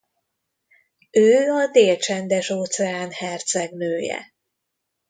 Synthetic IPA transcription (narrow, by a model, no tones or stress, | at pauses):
øːɒd̪eːlt͡ʃɛnd̪ɛʃoːt̪sɛaːnhɛrt̪sɛɡnøːjɛ̰